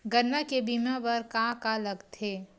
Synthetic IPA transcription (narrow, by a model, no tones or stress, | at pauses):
ɡɐnːakebimãbɐɾkãkalɐɡt̪ʰeː